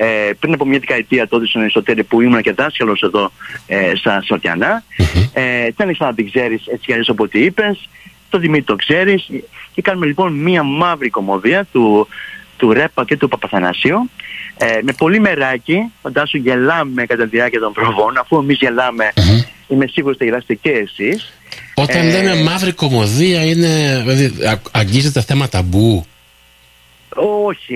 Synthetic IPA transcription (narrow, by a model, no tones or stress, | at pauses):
epɾinɐpo̞mɲɐðekɐit̪iɐt̪oot̪isunɐisot̪eɾipuimunɐce̞ðɐskɐlo̞se̞ðo̞est̪ɐsoɾt̪jɐ̰nɐet̪iɐneksɐnɐt̪iɡze̞ɾise̞t͡sikɐʎesɐpot̪iipe̞s | t̪o̞ðimit̪it̪o̞kse̞ɾisce̞kɐnume̞lipo̞nmiɐmɐvɾiko̞mo̞ðiɐt̪u | t̪uɾe̞pːɐce̞t̪upɐpɐθɐnɐ̰siueme̞po̞lime̞ɾɐcifɐnd̪ɐsuʝe̞lɐme̞kɐt̪ɐt̪iðiɐɾciɐt̪o̞mpɾovo̞nɐfuemizʝe̞lɐme̞ime̞siɣuɾost̪ɐʝelɐst̪eceːsis | o̞t̪ɐnlememɐvɾiko̞mo̞ðiɐine̞veðiɐɲɟizet̪eθemɐt̪ɐbu | oçi